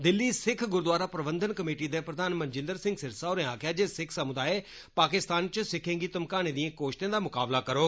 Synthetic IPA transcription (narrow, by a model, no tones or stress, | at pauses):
d̪ɪlːisɪkʰɡʊɾd̪ʋaːɾapɾɐbə̃nd̪ʱənkɐmeːʈid̪epɾɐd̪ʱaːnmɐ̃nd͡ʒɪ̃nd̪əɾsɪ̃ŋɡsɪɾsaʊɾɛ̃aːkʰjad͡ʑeːsɪkʰsɐmʊd̪aːe | paːkɪst̪aːnt͡ɕʊsɪkʰẽŋ̆ɡit̪ɐmkaːɽ̃ẽd̪ĩẽkoːʃt̪jẽd̪aːmʊkaːblakɐɾoː